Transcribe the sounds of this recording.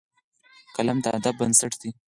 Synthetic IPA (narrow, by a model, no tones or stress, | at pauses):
kalamd̪əa̰d̪ab̚bənsaʈd̪i